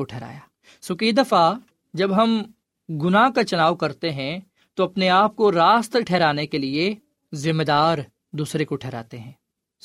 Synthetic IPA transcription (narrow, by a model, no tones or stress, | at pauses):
oʈʰɛːɾa̰ːjaː | sʊkid̪ɐfa | d͡ʒɐbɦɐm | ɡʊnakat͡ʃɐnaːʋwkɐɾt̪eɦɛ̃ | t̪oɐpneaːp̚koɾaːst̪ʈʰɛːɾaːnekelie | zɪmːed̪aːɾ | d̪uːsɾekoʈʰɛːɾa̰ːt̪eɦɛ̃ː